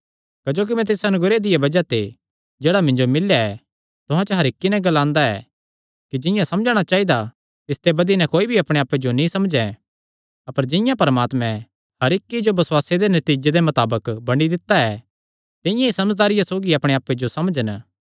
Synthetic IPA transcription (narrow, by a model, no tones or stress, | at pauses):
kɐd͡ʒoːk̬imɛ̃t̪ɪsɐnʊɡɾed̪ɪjebɐd͡ʒat̪e | d͡ʒeːɽamɪ̃ɲd͡ʒomɪljaɛ | t̪ʊɦãt͡ʃəɦɐɾɪkːinɛ̃ɡɐlãːnd̪aɛ̰ | kid͡ʒɪ̃jãsɐmd͡ʒɽ̃at͡ʃaːɦid̪a | t̪ɪst̪ebɐd̪inɛ̃koːibʱiɐpɽ̃eaːped͡ʒonĩsɐmd͡ʒɛ | ɐpəɾd͡ʒɪ̃jãpɐɾmaːt̪mɛ̃ | hɐɾɪkːid͡ʒobɐswaːsed̪enɐt̪iːd͡ʒed̪emɐt̪aːbəkbɐɽ̃id̪ɪt̪ːaɛ | t̪ɪ̃jãisɐməd͡ʒd̪aːɾɪjasoːɡiɐpɽ̃eaːpːed͡ʒosɐmd͡ʒən